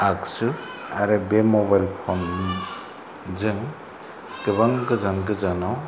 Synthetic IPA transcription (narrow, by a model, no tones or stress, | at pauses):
aksɯ | aɾɯbemɔbajlpʰɔnmi | zɯŋ | tɯβaŋɡɯzanɡɯzanaw